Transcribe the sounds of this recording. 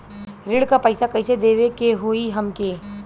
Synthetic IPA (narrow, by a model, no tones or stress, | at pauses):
ɾɪɽkapəːɪsakɐɪsed̪eːʋekeɦoːiɦɐmkeː